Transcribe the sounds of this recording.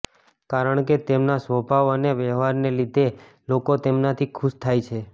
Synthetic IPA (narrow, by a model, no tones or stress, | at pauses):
kaɾəɳket̪emnasʋəbʱaʋəneʋɛʋaɾnelid̪ʱe | lokot̪emnat̪ʰikʰuʃt̪ʰajt͡ʃʰe